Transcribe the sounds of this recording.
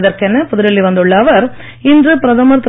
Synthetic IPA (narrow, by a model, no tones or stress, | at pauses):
ðɐɾkɛnːɐpʊðɯɾɐɭːiʋɐnd̪ɯɭːɐːʋɐɾ | ɪndrɯpɾɐðɐmɐɾt̪